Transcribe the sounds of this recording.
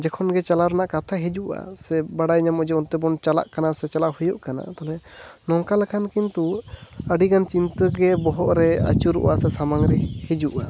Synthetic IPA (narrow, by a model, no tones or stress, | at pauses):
d͡ʒɛkʰɔnɡɛt͡ʃalaɾɛnaʔkat̪ʰaɦid͡ʒuʔa̰sɛbaɽajɲamɔd͡ʒɔunt̪ɛbɔnt͡ʃala̰ʔkanasɛt͡ʃalahujɔʔkana̰t̪alɛnɔŋkalɛkʰankint̪uəɖiɡant͡ʃint̪əɡɛbɔɦɔʔɾɛa̰t͡ʃuɾṵʔasɛsamaŋɾɛhid͡ʒuʔa